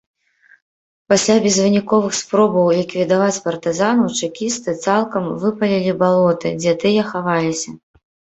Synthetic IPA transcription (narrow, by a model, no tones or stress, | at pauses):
pasʲlʲabʲɛzvɨnʲikɔvɨxspɾɔbɐwlʲikvʲid̪avat͡sʲpɐrt̪ɨzanɐwt͡ʂɨkʲist̪ɨt̪salˠkɐmvɨpɐlʲilʲibalˠɔt̪ɨd͡zʲɛt̪ɨjɐxavalʲisʲɐ